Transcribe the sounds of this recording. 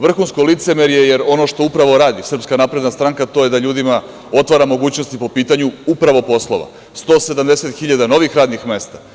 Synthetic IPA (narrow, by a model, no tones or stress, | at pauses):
ʋr̩xunskolit̪semeɾje̞jeɾo̞no̞ʃt̪o̞upɾaʋo̞ɾaːd̪isrpskanapɾe̞d̪nast̪ɾaŋkat̪o̞je̞d̪aʎuːd̪ima | o̞t̪ʋaɾamo̞ɡuːt͡ɕnost̪ipo̞piːt̪aɲuupɾaʋo̞po̞slˠoʋa̰ | st̪o̞ːse̞d̪amd̪ese̞t̪xiʎad̪ano̞ʋixɾaːd̪nixme̞ːst̪a